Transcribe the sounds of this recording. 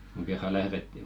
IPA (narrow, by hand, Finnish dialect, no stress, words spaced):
kuŋ kerːɑ læhretːi